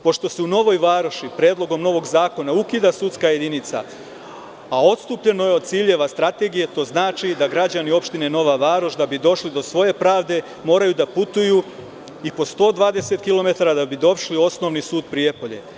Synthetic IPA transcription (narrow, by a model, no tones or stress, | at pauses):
po̞ʃt̪o̞seuno̞ʋo̞jʋaːɾoʃipɾeːd̪lˠo̞ɡo̞mno̞ʋo̞ɡzaːko̞naukid̪asut̪skaje̞d̪init̪sa̰ː | o̞t̪st̪upʎe̞no̞jeod̪̚t̪siːʎe̞ʋast̪ɾat̪e̞ɡije̞t̪o̞ːznaːt͡ʃid̪aɡɾad͡ʑanio̞pʃt̪ine̞no̞ʋaʋaːɾoʃd̪abid̪o̞ʃlid̪o̞sʋo̞je̞pɾaːʋd̪e̞ | mo̞ːɾajud̪aput̪uju | ipo̞st̪o̞ːd̪ʋaːd̪e̞se̞t̪kilo̞me̞t̪aɾad̪abid̪o̞ʃlio̞sno̞ʋnisuːd̪pɾije̞po̞ʎe̞̰